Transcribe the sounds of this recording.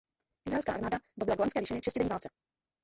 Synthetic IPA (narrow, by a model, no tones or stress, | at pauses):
ʔɪzɾaɛlska̰ːʔaɾmaːdadobɪlaɡoanskɛːviːʃɪnɪfʃɛscɪdɛɲiːvaːlt͡sɛ